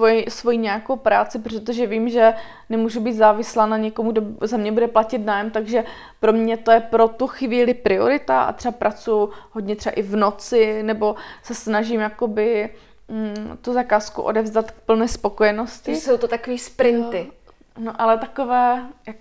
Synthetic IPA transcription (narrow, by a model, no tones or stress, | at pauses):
sojisvo̞jiːɲɛjakowpɾaːt͡sɪp̬ɾot̪̬oʒɛviːmʒɛ | nɛmuːʒubiːt̪zaːvɪslaːnaɲɛkomuɡdozamɲɛbudɛplacɪt̪naːjɛmt̪aɡʒɛ | pɾo̞mɲɛt̪o̞jɛpɾo̞t̪uxviːlɪpɾɪo̞̰ɾɪt̪aʔa̰t̪ɛbapɾʔat͡sujʊɦodɲɛt̪rɛa̰ʔɪvno̞t͡sɪnɛbo̞sɛsnaʒɪmjako̞bɪ | t̪uzakaːskṵʔo̰dɛvzdat̪k̚pl̩nɛːspo̞kojɛnoscɪsowt̪ot̪akoviːspɾɪnt̪ɪ | noʔalɛt̪akovɛːjak